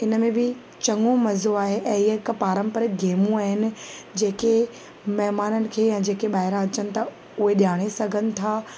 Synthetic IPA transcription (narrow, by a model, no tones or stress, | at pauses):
ɪnə̆mẽbɪ | t͡ɕɐ̃ŋomɐzoaːɦeʔɛ̃ːɪɦɐɪkpaːɾə̃mpəɾɡeːmũaːɦɪnɪ̆d͡ʑeːke | mɐɦmaːnənɪ̆kʰeːjãd͡ʑeːkeɓaːɦɪɾãɐt͡ɕənɪ̆t̪ʰa | ʊɦeɗjaːɽ̃esɐɡʱənɪ̆t̪ʰaː